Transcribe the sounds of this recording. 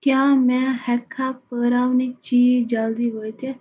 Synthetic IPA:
kjãːmɛ̃hɛkʰːapəːɾaːʋnit͡ʃiːd͡ʒald̪iʋojt̪ʰe

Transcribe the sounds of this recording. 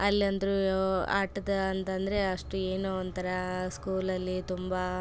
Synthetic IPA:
ɐlːiɐnd̪ɾua̰ːʈɐd̪ɐɐnt̪ɐnd̪ɐɾe̞ɐʂʈueːnoɔnt̪ɐɾɐskuːlɐlːit̪umbɐ

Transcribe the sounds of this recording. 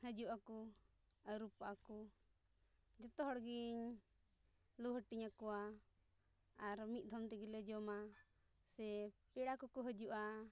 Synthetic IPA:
həd͡ʒuʔaku | əɾupaʔaku | d͡ʒɔt̪ɔɦɔɽɡiɲ | luɦəʈiɲakɔa | ɾmit̪̚d̪ʱɔmt̪ɛɡilɛd͡ʒɔma | sɛpɛɽakɔkɔɦəd͡ʒuʔa

